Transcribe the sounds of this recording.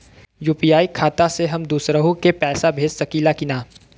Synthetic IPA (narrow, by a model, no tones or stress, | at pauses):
juːpijaːikʰaːt̪aseɦɐmd̪uːsɾəɦũkepɛːsabʱeːd͡ʒsɐkiːlakɪnaː